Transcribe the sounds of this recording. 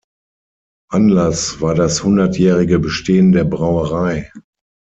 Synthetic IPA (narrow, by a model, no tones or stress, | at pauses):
ʔanlasv̥aːɐdashʊndɐtjɛːʁɪɡəbəʃteːəndeːɐbʁaʊəʁaɪ